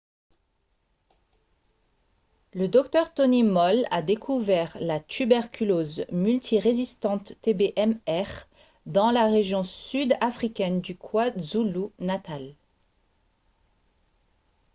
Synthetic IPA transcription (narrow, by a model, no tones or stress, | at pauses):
ləd̪ɔk̚t̪œʁt̪ɔnimɔla̰d̪ekʰuvɛʁlat̪ybɛʁkʲʰylozmylt̪ʰiʁezist̪ɑ̃t̪ːebeʔɛmɛʁ | d̪ɑ̃laʁeʒjɔ̃syd̪afχikʲɛnd̪ykʰwazulunat̪al